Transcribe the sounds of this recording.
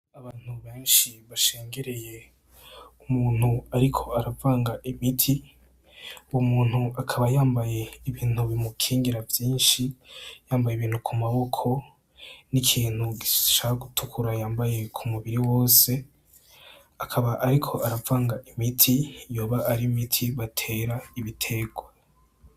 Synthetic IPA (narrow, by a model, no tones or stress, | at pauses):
aβaːn̥huβe̞ːnʃiβaʃe̞ːŋɡe̞ɾe̞je̞ | umuːn̥huaɾikʰo̞aɾavaːŋɡaʔimitʰi | wumuːn̥huakʰaβajaːmbaje̞iβiːn̥huβimukʰiːŋɡiɾavjiːnʃijaːmbajeβiːn̥ukʰumaβo̞kʰo̞ | nikʰiːn̥huɡiʃaːhaɡutʰukʰuɾajaːmbaje̞kʰumuβiɾiwo̞ːse̞ | akʰaβaʔːɾikʰo̞aɾavaːŋɡaʔimitʰijo̞ːβaʔːɾimitʰiβatʰe̞ːɾaiβitʰe̞ːɡwa